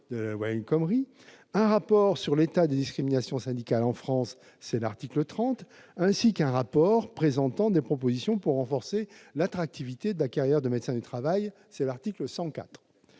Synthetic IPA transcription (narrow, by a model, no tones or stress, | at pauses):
d̪əlalwajɛnkɔmʁi | ɛ̃ʁapɔʁsyʁlet̪ad̪ed̪iskχiminasjɔ̃sɛ̃d̪ikalɑ̃fχɑ̃sː | ɛlaʁt̪iklət̪χɑ̃t̪ | ɛ̃sikɛ̃ʁapɔʁpχezɑ̃t̪ɑ̃d̪epχɔp̬ozisjɔ̃puʁːɑ̃fɔʁselat̪χak̚t̪ivit̪ed̪əlakaʁjɛʁd̪əmed̪sɛ̃d̪yt̪χavaj | sɛlaʁt̪ikləsɑ̃ka̰t̪χ